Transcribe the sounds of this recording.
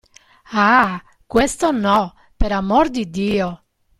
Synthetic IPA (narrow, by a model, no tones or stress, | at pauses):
a | kwest̪onɔ | peɾamoɾd̪id̪iːo